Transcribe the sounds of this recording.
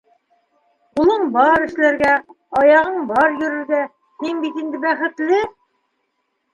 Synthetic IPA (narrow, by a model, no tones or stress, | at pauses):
qulˠɤɴbɑɾɘ̆ʃlæɾɡæ | ɑjɑʁɤɴbɑɾjɵ̆ɾɘ̆ɾɡæ | hiŋbit̪ind̪ɘbæχɘ̆t̪lɘ